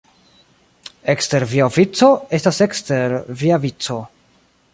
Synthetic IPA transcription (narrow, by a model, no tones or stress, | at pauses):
ekste̞ɾviovit͡so̞e̞staseksteɾviavit͡so̞